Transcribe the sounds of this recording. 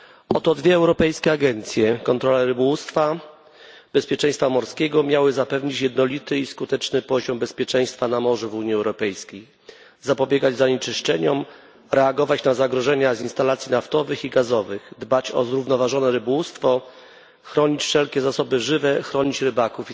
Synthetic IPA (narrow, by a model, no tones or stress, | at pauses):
ɔt̪ɔd̪vʲjɛɛwɾɔpɛjskʲɛaɡɛnt̪sʲjɛkɔnt̪ɾɔlɛɾɘbɔwust̪fa | bɛspʲjɛt͡ʂɛ̃j̃st̪famɔɾskʲɛɡɔmʲjawɘzapɛvɲit͡ɕjɛd̪nɔlʲit̪ɘiskut̪ɛt͡ʂnɘpɔʑɔmbɛspʲjɛt͡ʂɛ̃j̃st̪fanamɔʐuvuɲiɛwɾɔpɛjskʲej | zapɔbʲjɛɡad͡ʑzaɲɛt͡ʂɘʂt͡ʂɛɲɔm | ɾɛaɡɔvat͡ɕnazaɡɾɔʐɛɲazinst̪alat̪sʲjinaft̪ɔvɘxiɡazɔvɘɣd̪bat͡ɕɔ̰zɾuvnɔvaʐɔnɛɾɘbɔwust̪fɔ | xɾɔɲit͡ɕfʂɛlkʲɛzasɔbɘʐɘvɛxɾɔɲit͡ɕɾɘbakuf